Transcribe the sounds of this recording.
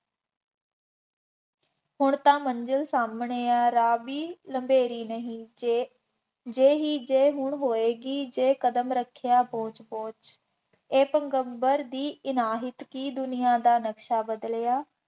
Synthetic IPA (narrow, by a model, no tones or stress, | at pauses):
hʊɳt̪ãːməɲd͡ʒəlsaːmɳeːaːɾaːbiːləmbeːɾiːnəɦĩː | d͡ʒeːɦiːd͡ʒeːɦʊɳɦoːeːɡiːd͡ʒeːkəd̪əmɾəkʰɪjaːpõːt͡ʃbõːt͡ʃ | eːpəŋɡəmbəɾd̪iːɪnaːɦɪt̪kiːd̪ʊnɪjãːd̪aːnəkʃaːbəd̪lejaː